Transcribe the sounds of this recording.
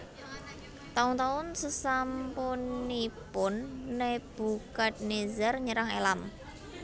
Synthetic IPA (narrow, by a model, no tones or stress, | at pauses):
t̪aʊnt̪aʊnsəsampunipʊnːeb̥ṳkat̪̚nezarɲəɾaŋelam